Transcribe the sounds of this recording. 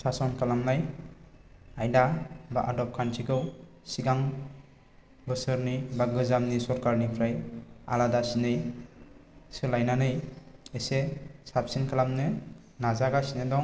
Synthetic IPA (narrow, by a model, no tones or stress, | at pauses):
sasɔnkʰalamnaj | ajdabaʔadɔp̚kʰantʰikɯw | siɡaŋ | bɯsɯɾnibaɡɯzamnisɔɾkaɾnipʰɾaja̰ladasinɯj | sɯlajnanɯjesesap̚sinkʰalamnɯ | nazaɡasinɯdɔŋ